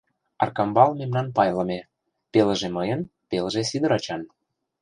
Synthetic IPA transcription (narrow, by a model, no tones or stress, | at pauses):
ɑ̰rkɑmbɑlmemnɑnpɑjlə̆me | pelə̆ʒemɤjənpeləʒesid̪ə̆ɾɑt͡ɕɑn